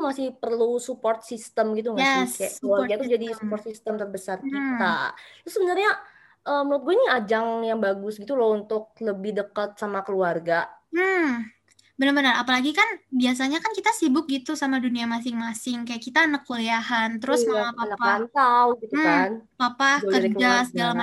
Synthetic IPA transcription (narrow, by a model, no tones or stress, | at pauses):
t̪umasɪhpərlusupɔrt̪̚sist̪əmɡit̪̬uŋjaɛsɛəluarɡait̪ud͡ʒadisupɔrt̪sist̪əmt̪ərbəsarkit̪a̰t̪ɾʊsəbənarɲa | ʔəːmluat̪̚ɡuainiad͡ʒaŋjaŋbaɡʊsɡit̪ulaunt̪ʊk̚ləbɪhdəkat̪̚samakəluarɡam̩ | bənərbənərapalaɡikanbias̬aɲakankit̪asibʊk̚ɡit̪usamaduniamas̬ɪŋmasɪŋkajaʔkit̪anəkːuliaɦant̪əɾʊsmamapanapaant̪awɡit̪ukanpapahkəd͡ʒasəɡalama